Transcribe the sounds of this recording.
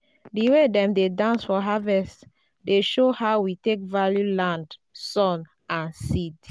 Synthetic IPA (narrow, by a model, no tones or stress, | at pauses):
diwedɛ̃mdedãnsfɔɦavɛst | deʃohaʊwitek̚valjulãndsɔ̃n | ãnsid